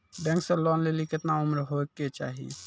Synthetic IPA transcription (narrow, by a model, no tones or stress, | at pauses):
ɖɛ̃ŋksẽlɔnlelikɪt̪naʊmɾɦoeket͡ʃa̰ːɦḭ